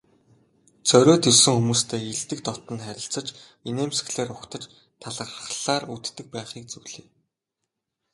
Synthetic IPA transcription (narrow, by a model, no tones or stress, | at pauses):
t͡sœɾʲoːt̪iwsɘ̆ŋxumuːst̪ʰeːiɮt̪ɘ̆k̚t̪ɔt̪ə̆nχæɾʲɪ̆ɬt͡sə̆t͡ɕ | ineːmsɘ̥̆ɮeːrʊkt̪ə̆t͡ɕ | t̪ʰaɮə̆ə̆χɮaːrut̪ːɘ̆k̚pæːχiːk̚t͡suwɮeː